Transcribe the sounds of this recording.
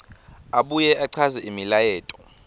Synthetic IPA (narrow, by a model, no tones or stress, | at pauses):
aɓujɛʔaǀʰazɛʔimilajɛːtʼɔ̥